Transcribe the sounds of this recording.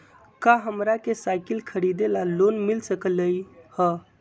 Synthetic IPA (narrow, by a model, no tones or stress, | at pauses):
kaɦəmɾakesajkəlkʰəɾid̪elalonmilsəkələjhə